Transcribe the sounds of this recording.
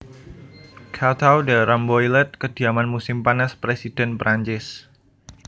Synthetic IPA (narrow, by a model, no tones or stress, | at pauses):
kʰat̪ʰawdaɾambɔjlɛt̪̚kəd̥i̤amanmusɪmpanaspɾesid̥ɛnpɾaɲt͡ʃɪs